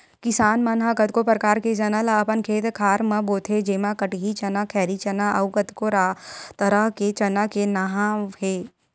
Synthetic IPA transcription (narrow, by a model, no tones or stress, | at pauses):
kɪsaːnmɐnɦaɡət̪kopɾəkaːɾked͡ʒɐnalaːpənkʰeːt̪kʰaːɾmɐ̃boːt̪ʰed͡ʒeːmãkɐʈɦit͡ʃɐnakʰɛːɾit͡ʃɐnaʔɐʊkət̪koɾaːt̪ɐɾəɦket͡ʃɐnakenaɦãɦeː